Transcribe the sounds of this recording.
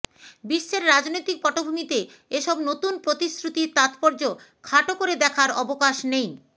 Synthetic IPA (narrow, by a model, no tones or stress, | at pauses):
biʃːeɾɾad͡ʑnojt̪ik̚pɔʈobʱumit̪e | eʃɔbnot̪unpɾot̪iskɾut̪iɾt̪at̪pɔɾd͡ʑo | kʰaʈokoɾed̪ɛkʰaɾɔbokaʃnej